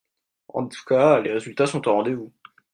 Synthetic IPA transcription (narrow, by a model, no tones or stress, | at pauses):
ɑ̰̃t̪u̥kaleʁezylt̪asɔ̃t̪ãʁɑ̃d̪evu